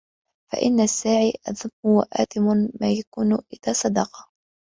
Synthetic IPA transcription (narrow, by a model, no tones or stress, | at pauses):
fa̰ʔɪnːasːaːʕiːʔa̰ðʊmhʊwaʔa̰ːt̪ɪmʊmaːjakuːnʔɪðaːsˤɑd̪ɑqɑ̥